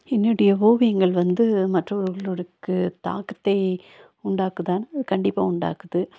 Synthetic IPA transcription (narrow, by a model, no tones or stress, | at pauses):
ɛnːɪɽɐjɐʋoːʋɪjɐŋɡɐɭʋɐnd̪ɯmɐʈrɐɔɾɯɣɐɭɔɾɯkːɯt̪a̰ːkɐt̪ːɐɪ | ʊɳɖaːkɯðaːnɐðɯkɐɳɖɪpːa̰ːʊɳɖa̰ːkɯðɯ